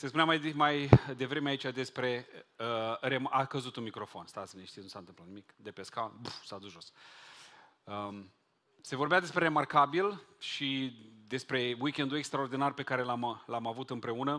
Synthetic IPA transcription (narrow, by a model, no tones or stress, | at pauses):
sespunamajmajd̪e̞vɾe̞meait͡ʃad̪e̞spɾe̞əɾemakəzut̪unmikɾo̞fo̞nst̪asəineʃt̪isnusant̪ɨmplat̪nimikd̪e̞pe̞skanbusad̪usʒo̞s | ə | se̞vo̞rbead̪e̞spɾe̞ɾe̞markabilʃid̪e̞spɾe̞wikʲe̞nd̪ue̞kst̪ɾaord̪inarpe̞kaɾe̞lamlamavut̪ɨmpɾe̞unə